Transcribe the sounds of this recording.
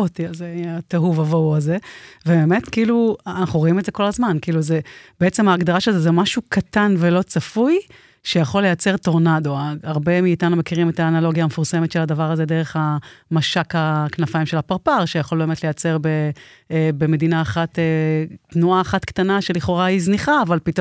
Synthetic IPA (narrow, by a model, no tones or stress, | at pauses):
otiazeat̪eɦuvavowaze̞vebeːme̞t̪kiiluanaχuʁoimedzeko̞lazmankiiːluzeb̥eet͡semaːɡd̪aʁaʃezezemaʃukʰat̪anvelo̞t͡safuj | ʃe̞jaχo̞lːejat͡se̞ʁt̪o̞ʁnado̞aaʁbe̞miːtanume̞kiʁimetaːnalo̞ɡjaːmefuʁse̞met̪ʃeladavaʁaze̞d̪eʁ̞e̞χhamaʃakaknafaimʃe̞lapaʁpaʁʃejaχo̞lbeːmetle̞jat͡se̞ʁbe | be̞me̞d̪inaːχat̪etnuaːχatktanaʃe̞liχo̞ʁaizniχaːvalpit